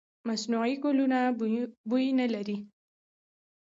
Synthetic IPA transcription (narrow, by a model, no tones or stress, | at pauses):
masnuʕikolunabujinalaɾi